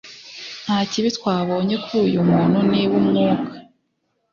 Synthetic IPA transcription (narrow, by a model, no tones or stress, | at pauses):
n̥haːciβitwaːβo̞ːɲe̞kujumuːn̥huniwumŋuːkḁ